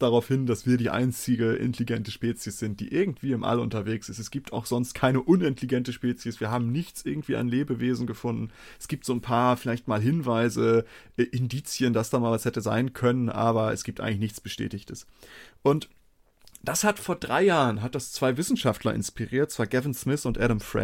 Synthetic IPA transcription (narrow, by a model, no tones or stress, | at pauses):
d̥aʁaʊfhɪnd̥asv̥iːɐdiːʔa̰ɪnt͡sɪɡəʔɪ̰ntʰeliɡɛntəʃpeːt͡sjəsz̥ɪnt̚d̥ḭːʔɪɐɡŋ̩tv̥iːɪmʔa̰lʊ̰ntɐveːksɪstɛsɡ̥iːp̚tʰa̰ʊxz̥ɔnst̚kʰaɪnəʔʊnɪnteliɡɛntəʃpeːt͡sjəsv̥iːɐɦaːbm̩nɪçt͡sʔɪɐɡŋ̩tv̥iːʔa̰nleːbəveːzn̩ɡəfʊndn̩ | ʔɛsɡ̥iːp̚tz̥oːnpʰaːɐfɪlaɪçtmaːlɦɪnvaɪzəʔʔɪndiːt͡sjəndasd̥aːmaːlvashɛtəza̰ɪnkʰœnənʔaːbɐɛ̰sɡ̥iːp̚tʔaɪɡŋlɪçnɪçt͡sb̥əʃtɛ̰ːtɪçtʰəs | ʔʊnt | d̥ashatfoːɐdʁaɪjaːʁənɦat̚d̥ast͡sv̥aɪvɪsn̩ʃaftlɐ̰ʔɪ̰nspiʁiːɐt̚t͡sv̥aːɡɛvɪnsmɪθʊntʔɛɾəmfʁɛ̰